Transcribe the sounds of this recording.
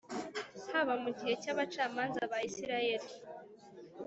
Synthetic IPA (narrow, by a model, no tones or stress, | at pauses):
haβamuɟihe̞caβat͡ʃaːmaːnzaβaisiɾaje̞ɾi